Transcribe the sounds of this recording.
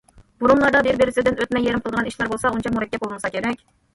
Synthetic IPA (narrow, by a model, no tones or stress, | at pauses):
b̥uɾumlˠɑɾd̪ɑbeɾbeɾɪsɪd̪ɪnøt̪mɛjːeɾɪmqʰəlˠd̪əʁɑniʃlˠɑɾbolˠsɑunt͡ʃʰɑmuɾɛkʲːɛp̚bolˠmɨsɑkʲʰeɾɛkʲ